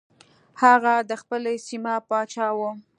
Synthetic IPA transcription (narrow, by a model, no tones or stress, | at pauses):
haɣad̪əxpəlesimapɑt͡ʃɑwo